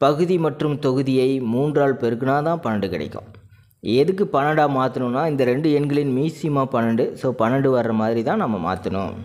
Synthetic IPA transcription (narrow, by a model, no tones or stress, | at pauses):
pɐɣɯðimɐʈrɯmt̪ɔɣɯðɪjɐɪmuːndraːɭpɛɾɯkːɯnaːt̪ãːpɐnɐɳɖɯkɪɽɐ̰kːʊ̰̃ | ɛðɯkːɯpɐnɐɳɖaːmaːt̪ɯnɯnːaːɪnd̪ɐɾɛɳɖɯɛɳɡɐɭɪnmiːsɪjmaːpɐnɐɳɖɯsoːpɐnɐɳɖɯʋɐɾrɐmaːðɪɾit̪ãːnɐmːɐma̰ːt̪ɐnʊ̰